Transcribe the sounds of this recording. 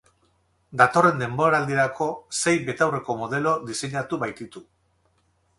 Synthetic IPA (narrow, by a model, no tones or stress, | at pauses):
d̪at̪o̞re̞nd̪e̞mbo̞ɾaːld̪iɾako̞se̞jbe̞t̪awre̞ko̞mo̞ð̞e̞lo̞d̪ise̞ɲat̪uβajt̪it̪u